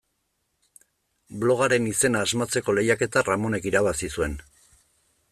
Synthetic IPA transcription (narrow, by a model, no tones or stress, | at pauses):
blo̞ɣ̞aɾe̞nise̞naːzmat͡se̞ko̞le̞jake̞t̪aramo̞ne̞kiɾaβasisue̞n